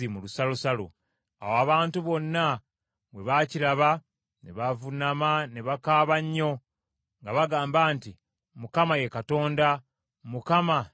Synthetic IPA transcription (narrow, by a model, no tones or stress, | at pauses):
imulusalusalo̰ | a̰woaβaːntuβo̞nːa | βwe̞βaciɾaβa | nḛβavunamaneβakaːβaɲːo̞ | ŋɡaβaɡaːmbaːnti | mukamaje̞kato̞ːnda | mukama